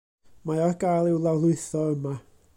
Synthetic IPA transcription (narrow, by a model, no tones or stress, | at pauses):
majɔrɡajlˠɪwlˠawlˠʊɨθɔəma